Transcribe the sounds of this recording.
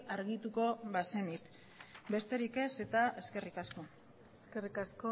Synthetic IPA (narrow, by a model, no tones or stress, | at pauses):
aɾɣit̪uko̞βase̞nit̪ | be̞st̪e̞ɾike̞se̞t̪ae̞ske̞rikasko̞ | eskerikasko